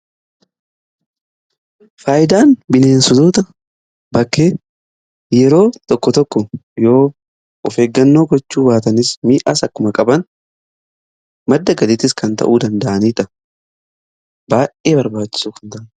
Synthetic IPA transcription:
faːjɪd̪aːnbɪneːnsʊd̪uːt̪ɐ | bɐkːeː | jɛɾo̞ːt̪ɔkːɔt̪ɔkːɔjo̞ː | ɔfe̞ːɡːɐnːo̞ːɡɔt͡ʃːuːbaːt̪ɐnɪsmiːʔaːsɐkːʊmɐkʼɐbɐn | mɐd̪ːɐɡɐlɪt̪ɪskɐnt̪ɐ̰ʔuːd̪ɐnd̪ɐʔɐniːt̪ɐ | baːjeːbɐɾbaːt͡ʃːɪ̥suːkɐnt̪ɐʔɐn

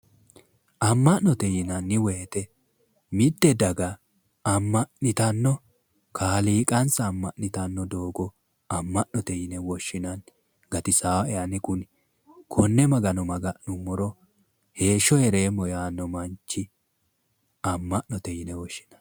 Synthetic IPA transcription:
ɐmːɐʔnɔt̪ɛjɪnɐnːɪwɛɛt̪ɛ | mɪd̪ːɛd̪ɐɡɐ | ɐmːɐʔnɪt̪ɐnːɔ | kʰaːliːkʼɐnsɐːmːɐʔnɪt̪ɐnːɔd̪o̞ːɡɔ | ɐmːɐʔnɔt̪ɛjɪnɛwɔʃːɪnɐn | ɡ̥ɐt̪ɪsaːɛɐnɪkʊn | kʰɔnːɛmɐɡɐnɔmɐɡɐʔnʊmːɔɾɔ | he̞ːʃːɔɛɾe̞ːmɔjaːnːɔmɐnt͡ʃːɪ | ɐmːɐʔnɔt̪ɛjɪnɛwɔʃːɪ̥nɐ̥n

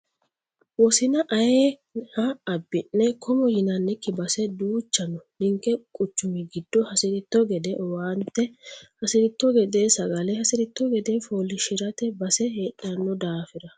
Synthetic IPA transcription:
wɔsɪnɐʔɐjeːhɐɐbːɪnːɛkʰɔmɔjɪnɐnːɛkːɪbɐsɛd̪uːt͡ʃːɐnɔnɪŋkːɛkʼʊt͡ʃːʊmɪɡɪd̪̥ːɔhɐsɪɾɪt̪ːɔɡɛd̪ɛwant̪ːɛhɐsɪɾɪt̪ːɔɡɛd̪eːsɐɡɐlɛhɐsɪɾɪt̪ːɔɡɛd̪ɛfoːlɪʃɪɾɐt̪ɛbɐsɛheːɗɐnːɔd̪aːfɪd̪ɐ

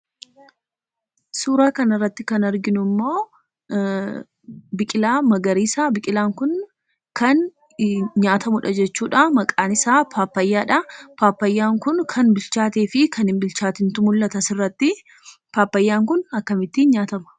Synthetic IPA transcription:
suːɾaːkɐnɪrːɐt̪ːɪkɐnɐɾɡɪnʊmːo̞ː | bɪkʼɪlaːmɐɡɐɾiːsaːbɪkʼɪlaːŋkʊn | kʰɐn | ɲaːt̪ʰɐmʊᶑɐd͡ʒɛt͡ʃːuːᶑamɐkʼaːnɪsaːpʰaːpːɐjːaːᶑɐpaːpːɐjːaːŋkʊnkʰɐnbɪlt͡ʃaːt̪eːfɪkʰɐnɪmbɪlt͡ʃaːt̪ɪnt̪ʊmʊlːɐt̪ɐsɪrːɐt̪ːɪ | paːpːɐjːaːŋkʊnɐkːɐmɪt̪ːɪnɲaːt̪ɐmɐ̥

